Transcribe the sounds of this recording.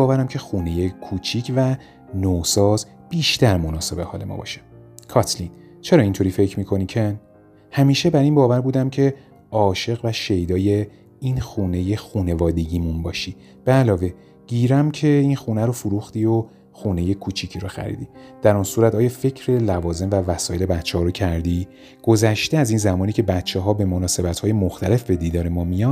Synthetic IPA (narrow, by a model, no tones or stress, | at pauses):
ɒːvæɾæmcʰe̞xuːne̞je̞kʰuːt͡ʃʰicʰvæ | noːsɒːz | b̥iːʃt̪ʰæɾmo̞nɒːse̞be̞hɒ̰ːle̞̰mɒ̰ːbɒ̰ʃe̥kʰɒt̪ʰlin | t͡ʃʰe̞ɾɒːint̪ʰo̞ɾiːfe̞cʰmiːkʰo̞nicʰen | hæmiːʃe̞bæɾiːnbɒːvæɾbuːd̪æmcʰe̞ | ɒːʃe̞ɣvæʃe̞jd̪ɒːje | inxuːne̞je̞xuːne̞vɒːd̪e̞ɟiːmunbɒːʃi | b̥eælɒːve̞ | ɟ̥iːɾæmcʰe̞inxuːnæɾofuɾuxt̪io | xuːne̞je̞kʰuːt͡ʃʰicʰiɾoxæ̰ɾḭːd̪iːd̪̥æɾunsuːɾæt̪ɒːjɒːfe̞cʰɾe̞lævɒːze̞mvævæsɒːje̞le̞bæt̪ːt͡ʃːehɒːɾocʰæɾd̪i | ɡ̥o̞zæʃt̪e̞æzinzæmɒːniːcʰe̞bæt̪t͡ʃʰːeɦɒːbe̞mo̞nɒːse̞bæt̪ʰhɒːje̞moxt̪ʰæle̞fbe̞d̪iːd̪ɒːɾe̞mɒːmijɒn